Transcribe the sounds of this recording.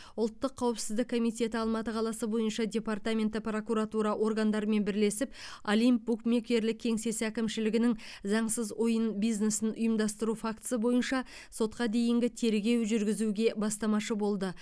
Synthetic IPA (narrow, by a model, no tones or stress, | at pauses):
ʊlˠt̪ːəqʰːɑwəpsɪzd̪ɪkʰːo̞mijtʲe̞t̪ɪɑlˠmɑt̪əqʰɑlˠɑsəbo̞jənʃɑdʲe̞part̪amʲe̞nt̪ɪpro̞kuɾat̪uɾɑʔo̞rɡɑnd̪ɑɾəme̞nbɪɾle̞sɪpolijmpːukmʲe̞kʲe̞ɾlɪk̚ʲʰːe̞ŋse̞sækʲɪmʃɪlɪɡʲɪnɪŋzɑɴsəzojənbijzne̞sɪnʔʊjəmd̪ɑst̪əɾufakt̪səbo̞jənʃɑ | so̞t̪̚qɑd̪e̞jɪŋɡʲɪt̪ʰe̞ɾɡʲe̞wʒʏɾɡʲɪzuɡʲe̞bɑst̪ɑmɑʃəbo̞lˠd̪ə